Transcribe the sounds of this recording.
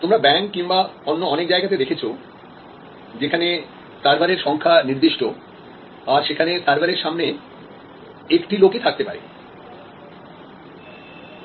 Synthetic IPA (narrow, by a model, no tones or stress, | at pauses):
t̪omɾabɛŋkːiŋbaɔnːoɔnek̚d͡ʑaeɡat̪ed̪ekʰet͡ɕʰo | d͡ʑekʰane | saɾbʱaɾeɾʃɔŋkʰaniɾd̪iʃʈo | aɾʃekʰanesaɾbʱaɾeɾʃamne | ekʈiloket̪ʰak̚t̪epaɾḛ